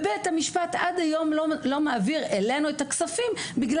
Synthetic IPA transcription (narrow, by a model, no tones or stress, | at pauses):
bejthamiʃpatadajo̞mlo̞maːviʁele̞nuetaksafimbiɡl